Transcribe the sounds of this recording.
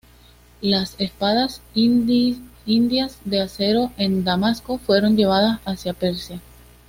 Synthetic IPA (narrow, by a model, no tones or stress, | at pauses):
lase̞spaðas | ind̪jazðe̞ase̞ɾo̞ʔe̞nd̪amasko̞fwe̞ɾo̞nd͡ʒe̞β̞að̞asasjape̞ɾsja